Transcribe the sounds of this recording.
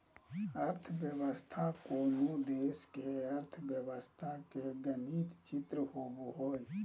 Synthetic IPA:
əɾt̪ʰʋjəwəst̪ʰakoːnud̪eːskeɐɾt̪ʰbjəʋəst̪ʰakeɡəniːt̪t͡ʃɪt̪ɾəɦoːbɦoːd͡ʒ

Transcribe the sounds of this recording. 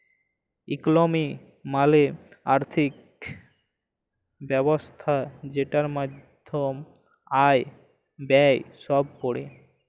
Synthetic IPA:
ḭklomi | maleaɾt̪ʰik | bɛbost̪ʰad͡ʑeʈaɾmad̪ʱom | aj | bɛjʃɔb̚koɽe

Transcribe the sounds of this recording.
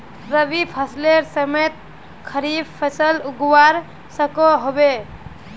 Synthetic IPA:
ɾəbipʰəsleɾsəmet̪̚ | kʰəɾibpʰːəsəluɡwaɾ | səkoɦobe

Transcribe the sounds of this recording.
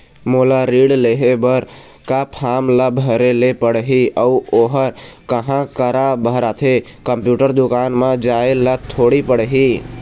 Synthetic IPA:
molaɾiɽleɦebəɾ | kapʰamləbʱəɾelepəɽɦiəuoɦəɾkəɦãkəɾabʱəɾat̪ʰe | kəmpjuʈəɾd̪ukanmed͡ʒaelət̪ʰoɽipəɽeɦi

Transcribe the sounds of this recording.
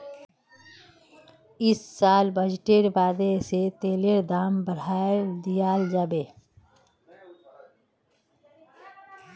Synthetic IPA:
ɪsːaːlbəd͡ʒʈeɾbaːd̪eset̪eːleɾd̪aːmbəɽ̤aːd̪ijaːld͡ʒaːbeː

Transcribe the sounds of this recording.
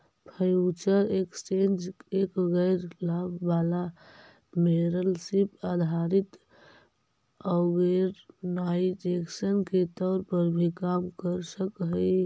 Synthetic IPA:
pʰəjut͡ʃəɾekst͡ʃẽnd͡ʒekɣəɪɾlabbala | meɾəlsipad̪ʱaɾit̪ | ɔɣəɾnaid͡ʒeksənket̪ɔːɾpəɾbʱikamkəɾsəkɦə

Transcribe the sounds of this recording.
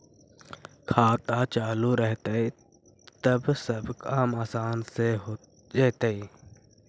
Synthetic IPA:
kʰaːt̪at͡ʃaːluɾɛɦt̪ei | t̪əbsəbkaːmaːsaːnse | d͡ʒeːt̪ei

